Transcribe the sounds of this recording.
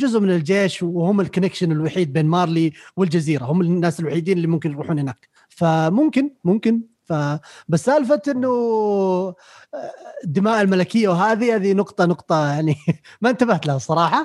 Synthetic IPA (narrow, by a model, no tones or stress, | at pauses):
d͡ʒʊzʔʊmɪnɪld͡ʒeːʃhʊmːɪlkʊnɪkʃɪnɪlwaħiːd̪̚beːnmɑːɾˤliwɪld͡ʒaziːɾahʊmːɪnːaːsɪlwaħiːd̪iːnɪlːimʊmkɪnjɾˤuːħuːnhɪnaːk | famʊmkɪnmʊmkɪn | fabasːaːlfat̪ʔɪnːʊ | d̪ːɪmaːʔɪlmalakɪjːawɦaːðihaːðinʊqt̪ˤɑnʊqt̪ˤɑjaʕnimaɪnt̪abaht̪lahasˤɑɾˤɑːħɑ